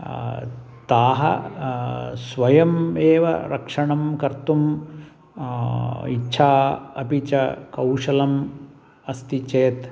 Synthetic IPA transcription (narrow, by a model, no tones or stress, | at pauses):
t̪aːɦɐ̰ | sʋɐjɐmeːʋɐ̰ɾɐkʂɐɳɐmkɐɾt̪um | itːʃʰaːɐ̰pit͡ʃɐ̰kɐwʂɐlɐm | ɐst̪it͡ʃeːt̪